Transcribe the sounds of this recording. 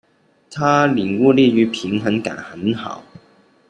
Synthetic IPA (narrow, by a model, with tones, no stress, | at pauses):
t̪ʰa˥li˨˩ŋwu˥˧li˥˩y˧˥pʰi˧˥ŋxə˧˥nka̰˨˩nxə˨˦nxɑ˨˩˦ʊ